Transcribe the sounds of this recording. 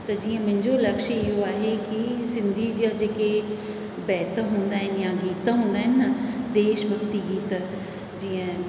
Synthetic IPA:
t̪ɐd͡ʑiːə̃mʊ̃ɪ̃ɲd͡ʑolɐkʃɪɦoaːɦekisɪ̃nd̪ʱid͡ʑəd͡ʑeːke | bɛːt̪ɦũːnd̪aːɦɪnjãɡiːt̪ɦũːnd̪aːɦɪnɪɐd̪eːʃbʱɐkt̪iɡiːt̪ɐ | d͡ʑiːə̃

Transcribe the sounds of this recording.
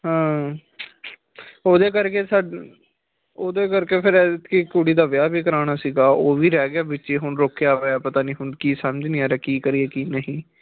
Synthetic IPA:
ɦãː | oːd̪eːkəɾkeːsaɖ | oːd̪eːkəɾkeːpʰɪɾɛt̪kikuːɽiːd̪aʋjaːbiːkəɾaːɽ̃aːsiːɡaːoːʋiːɾɛːɡɪjaːbɪtːiːɦʊɳɾoːkʰejaːpeaːpət̪aːniːɦʊɳkiːsəməd͡ʒnĩːaːɾɛːkiːkəɾiːɛːkiːnəɦĩː

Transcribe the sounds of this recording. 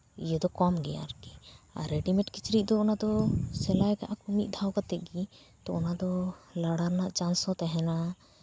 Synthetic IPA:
ijəd̪ɔkɔmɡɛja̰ɾɡɛa̰ɾɛɖimɛʈkit͡ʃɾiˀd̪ɔɔnad̪ɔsɛlajkaʔakumit̪̚d̪ʱawkat̪ɛʔ̪̚ɡi | t̪ɔʔɔnad̪ɔlaɽaɾnaʔt͡ʃansɔt̪ɛɦɛna

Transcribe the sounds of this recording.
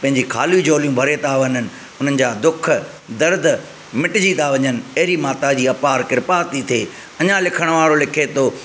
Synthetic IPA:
pɐ̃ɦɪ̃ɲd͡ʑikʰaːlid͡ʑoːlijũbʱɐɾet̪aʋɐnənɪ̆ | ʊn̤ənɪ̆d͡ʑaːd̪ʊkʰ | d̪ɐɾd̪ | mɪʈd͡ʑid̪aʋɐɲənɪ̆ɐɦɪɾimaːt̪ad͡ʑiːɐpaːɾkɪɾpat̪it̪ʰeː | ɐɲãlɪkʰəɽ̃ʋaːɾolɪkʰet̪oː

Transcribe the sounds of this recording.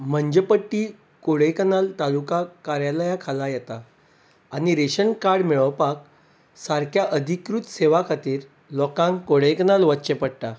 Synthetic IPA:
m̤əɲd͡ʑəpəʈːiː | koɽəjkənalt̪alukakaɾjaləjakʰalajɛt̪aː | ñiɾeɕənkaɽmiɭəʋpak̚ | saɾkʰjaʔəd̪ʱikɾut̪seʋakʰat̪iːɾ | lɔkãŋkkoɽ̤əjkənalʋətːt͡ɕepəɽʈ̪a

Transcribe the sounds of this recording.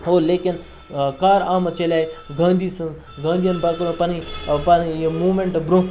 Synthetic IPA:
ɦoːleːkin | kaːɾaːmɐt͡ʃɐlʲaːiɡãːnd̪iːsɐnz | ɡãːnd̪ijɐnbɐkpɐnipɐnmuːmeɳʈbɾũ

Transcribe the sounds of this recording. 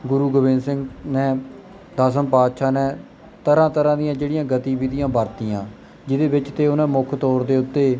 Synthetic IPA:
ɡʊɾuːɡobɪ̃nsɪ̃ŋɡnɛː | d̪aːs̬əmpaːt̪ʃaːnɛ̃ː | t̪əɾãːt̪əɾãːd̪ɪjãːd͡ʒeːɽɪjãːɡət̪iːbiːd̪ɪjãːbəɾt̪ijãː | d͡ʒɪd̪eːbɪt͡ʃt̪eːʊnãːmʊkʰt̪ɔːɾd̪eːʊt̪ːeː

